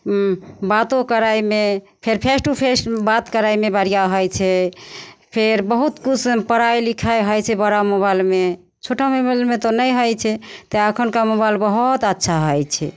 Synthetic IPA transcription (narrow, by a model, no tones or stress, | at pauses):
bat̪õkəɾajme | pʰeɾpʰesʈupʰesʈbat̪kəɾajmebəɾ̤ijaɦɔjt͡ʃʰɛ | pʰeɾbəɦut̪kut͡ʃʰpəɾajlikʰajɦɔjt͡ʃʰɛbəɾamoβajlme | t͡ʃʰoʈʰamobalmet̪onəjɦɔjt͡ʃʰɛt̪ɔəkʰənkamobajlbəɦut̪ətːʃʰaɦɔjt͡ʃʰɛ